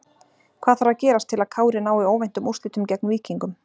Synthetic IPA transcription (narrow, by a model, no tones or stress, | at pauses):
kʰvaːðθaɾvaðcɛːɾast̪ʰɪlaðkʰaːwɾɪnaːwioːwvejn̥t̪ʏmust̪ɪːt̪ʏmcɛknviːciŋkʏm